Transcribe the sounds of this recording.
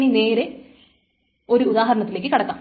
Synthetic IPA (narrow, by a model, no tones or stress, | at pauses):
nine̞ːɾe | o̞ɾuuðaːɦɐɾɐɳɐt̪ːileːkːɨkɐɽɐkːaːm